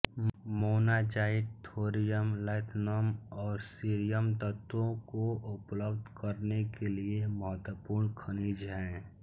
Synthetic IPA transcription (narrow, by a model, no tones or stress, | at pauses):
moːnad͡ʒaːɪd̪t̪ʰoːɾijəmlɛːt̪ʰnamɔːɾsiːɾijəmt̪ət̪wõkoʔʊpləbd̪ʱkəɾnekelieməɦət̪wəpuːɾnkʰəniːd͡ʒɦɛ̃ː